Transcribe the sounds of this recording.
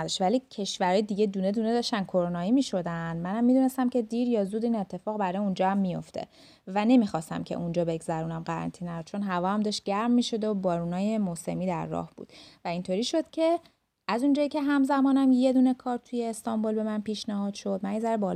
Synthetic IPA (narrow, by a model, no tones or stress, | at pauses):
d̪ɒʃtvælicʰe̞ʃvæɾɒːjed̪iɟe̞d̪uːne̞d̪une̞d̪ɒʃt̪æn̚kʰo̞ɾonɒːiːmiʃo̞d̪ænd̪mænhæmːid̪unest̪æmcʰe̞d̪iːɾjɒːzuːd̪iːnet̪ʰːe̞fɒːɣbæɾɒːjeund͡ʒɒːæmːijo̞̰ft̪ʰe̞̰ | væne̞mixɒst̪æ̰mcʰḛʔund͡ʒɒːbe̞ɡzæɾuːnæmɢæɾæ̰nt̪ʰinːæjod̪̚t͡ʃʰo̞nɦævɒːhæmd̪ɒːʃt̪̚ɟ̥æɾmːiʃod̪obɒːɾunɒːje̞mose̞̰miːd̪æ̰ɾːɒ̰ːhb̥ṵːd̪̥væint̪ʰo̞ɾiːʃo̞d̪̥cʰe̞ | æzund͡ʒɒːjicʲʰeɦæmzæmɒːnæmje̞d̪uːne̞kʰɒːɾt̪ʰujeːst̪ɒmbolbe̞mænpiʃnæhɒːd̪̥ʃo̞d̪̚mænizæɾbɒːl